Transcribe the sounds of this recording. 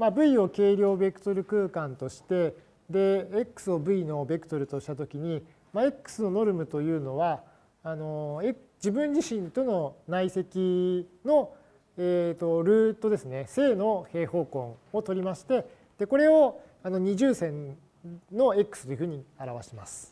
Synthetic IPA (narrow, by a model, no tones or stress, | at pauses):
mabɯ̟io̞ke̞ːɾʲjo̞ːbe̞kɯ̟̥t̪o̞ɾɯ̟kɯ̟ːkãnt̪o̞ɕi̥t̪e̞ | d̪e̞ːkːɯ̥sɨo̞bɯ̟ino̞be̞kɯ̟̥t̪oɾɯ̟t̪o̞ɕi̥t̪at̪o̞kʲiɲ̟i | mae̞kːɯ̥sɨno̞no̞ɾɯ̟mɯ̟t̪o̞jɯ̟ːno̞βaː | no̞ek | d͡ʑibɯ̟̃ɲ̟d͡ʑiɕĩnt̪o̞no̞naise̞kʲino̞ | eːt̪o̞ɾɯ̟ːt̪o̞d̪e̞sɨne̞se̞ːno̞he̞ːho̞ːkõ̞ŋo̞t̪o̞ɾʲimaɕi̥t̪e̞ | d̪̥e̞ko̞ɾe̞o | ano̞ɲ̟iʑɨːsẽ̞n | no̞e̞kɯ̥sɨ̥t̪ojiɯ̟ɸɯ̟ɲ̟iaɾaβaɕima̰sɨ̥